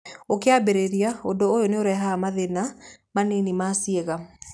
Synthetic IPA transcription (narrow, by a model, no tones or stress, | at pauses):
okeabeɾeɾiaondoːjoneoɾɛɦamaðenamanenimasieɣa